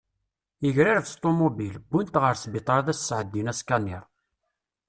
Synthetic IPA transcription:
əʝɾiɾfst̪ˤːomobilbːunt̪ʁəɾsbet̪ˤəɾˤðæssːʕəd̪ːinæskæniɾˤ

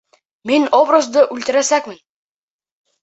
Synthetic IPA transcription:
minobrəzd̪ɤʔʉlt̪ɘ̆ɾæsækmɘn

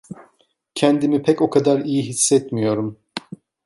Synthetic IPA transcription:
cʰɛnd̪imipʰɛco̞kʰad̪aɾijiɦisːɛt̪mijo̞ɾum

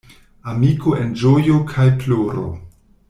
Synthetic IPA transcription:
amikoʔend͡ʒojokʰajploɾo̰

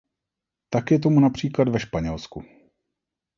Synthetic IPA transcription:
t̪akjɛt̪̬o̞munapr̝̥iːklad̪vɛʃpaɲɛlsku

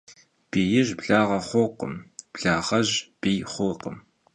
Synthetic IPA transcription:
b̥iːjɪʒbɮaːʁɐχʷoqə̰mb̥ɮaːʁɐʑb̥iːχʷʊqəm

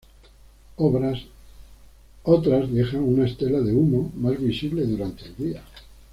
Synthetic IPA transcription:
βɾa | ot̪ɾazðe̞xaŋunaest̪e̞laðe̞umomazβisiβle̞ðuɾant̪eld̪ia

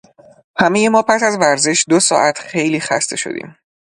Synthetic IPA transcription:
hæmejemɒːpʰæsæzvæɾze̞ʃd̪o̞sɒ̰ːʔæt̪ʰxe̞jliːxæ̰st̪ʰe̞ʃo̰d̪ḭːm

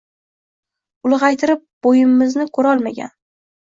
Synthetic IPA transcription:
ʊlˠʁɑjt̪ʰɪɾɪp̚b̥ojɪmːɪznɪkʰɵɾɒlˠmaɡʲa̰n

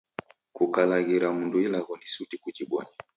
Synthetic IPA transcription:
kukalaɣiɾamunduilaɣɔnisutikud͡ʒiɓɔ̰ɲi

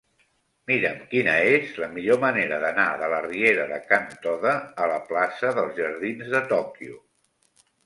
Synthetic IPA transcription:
miɾəmkinəezləmiʎoməneɾəðənaðələrieɾəðəkant̪ɔðəːləplasəðəlˠzʒəɾð̞inzðət̪ɔkjṵ

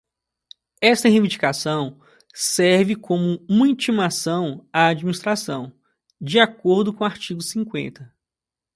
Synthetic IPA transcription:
ɛst̪ɐɦevĩd͡ʒikasɐ̃w̃ | sɛɾvɪkõmʊũmɐĩt͡ʃimasɐ̃w̃aːd͡ʒminist̪ɾasɐ̃w̃ | d͡ʒiakoɾd̪ʊkõw̃aɾt͡ʃiɡʊsĩŋkwḛ̃nt̪ɐ

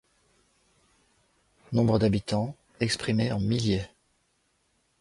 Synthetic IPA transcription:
nɔ̃bʁəd̪abit̪ɑ̃ | ɛkspχimeɑ̃miljø

